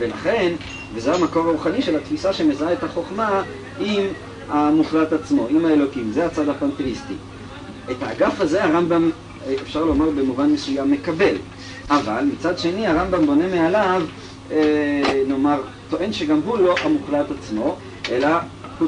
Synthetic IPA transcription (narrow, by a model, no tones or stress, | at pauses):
velaχe̞n | vezeɦamako̞ʁaʁuχaniʃelat̪fisaʃe̞mezaet̪haχo̞χma | im | amuχlat̪at͡smo̞imaelo̞kimzeat͡sad̪hapant̪eʁistḭ | et̪aːɡafaze̞aʁambam | efʃaʁlomaʁbemuvanmesujamːe̞kabe̞l | ʔavalmit͡sad̪ʃe̞niaʁambambo̞ne̞mealav | eno̞maʁ | t̪o̞ʔe̞nʃeɡamɦulo̞ʔamuχlat̪at͡smo̞ | ʔela | hu